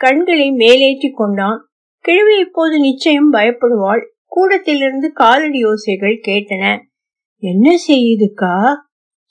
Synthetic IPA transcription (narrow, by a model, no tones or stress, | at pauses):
kɐɳɡɐɭɐɪmeːleːʈrikːɔɳɖaːn | kɛɻɯʋɪɐɪpːoːðɯnɪt͡ʃːɐjɐmbɐjɐpːɐɽɯʋaːl | kuːɽɐt̪ːɪlɪɾɯnd̪ɯkaːlɯɽɪjoːsɐɪɣɐɭkeːʈːɐnɐ | ɛnːɐsɛjːɐðɯkːaː